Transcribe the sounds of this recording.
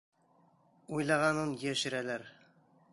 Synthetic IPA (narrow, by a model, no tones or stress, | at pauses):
ujlˠɑʁɑnɤnjæʃɘ̆ɾælæɾ